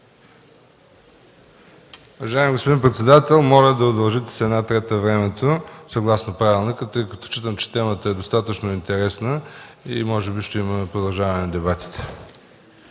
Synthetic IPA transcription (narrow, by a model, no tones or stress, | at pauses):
uvɐʒaɛmiɡospod̪inpɾɛt̪sɛd̪at̪ɛlˠmɔlʲəd̪ɐod̪ɐlˠʒit̪ɛ̥sɛd̪nat̪ɾɛt̪əvɾɛmɛt̪osɐɡlˠasnopɾavilˠnikət̪ɤjkɐt̪ɔ̥t͡ʃit̪əmt͡ʃɛ̥t̪ɛmət̪əɛd̪ost̪at̪ət͡ʃnoint̪ɛɾɛsnəimɔʒɛbiʃt̪ɛiməpɾod̪ɐlˠʒavɐnɛnɐd̪ɛbat̪i̥t̪ɛ̥